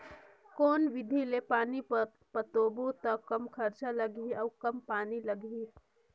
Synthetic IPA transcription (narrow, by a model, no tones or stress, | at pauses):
koːnʋɪd̪ʱilepaːnipɐɾ | pɐt̪oːbot̪ɐkɐmkʰɐɾt͡ʃalɐɡiɔːkɐmpaːnilɐɡʱi